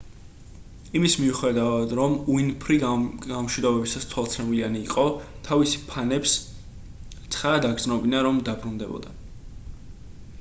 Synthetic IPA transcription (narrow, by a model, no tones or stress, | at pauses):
imismiuχɛd̪avad̪ɾɔmuinpʰɾiɡamʃwid̪ɔbɛbisast̪ʰwalˠt̪sʰɛmulianiːqʼɔt̪ʰavisi̥pʰanɛps | t̪sʰχad̪aɡɾd̪znɔbinaɾɔmd̪abɾund̪ɛbɔ̰d̪a